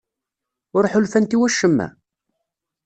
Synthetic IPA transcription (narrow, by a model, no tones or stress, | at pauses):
ʊɾˤħʊlfænt̪iwæʃːəmːæ̰